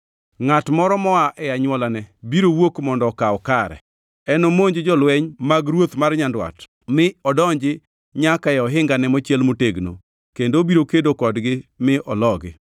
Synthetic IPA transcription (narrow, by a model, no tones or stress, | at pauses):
ŋatmɔɾɔmɔaʔɛaɲwɔlanɛbiɾowokmɔndɔkaɔkaɾɛ̰ | ɛnomoɲd͡ʒɪd͡ʒɔlwɛɲmaɡɾwot̪marɲandwa̰t | mɪɔdɔɲd͡ʒɪ | ɲakaɛɔɦɪŋɡanɛmɔt͡ʃjɛlmoteɡno̰ | kendobiɾokedokɔdɡɪmɪʔɔlɔɡɪ̰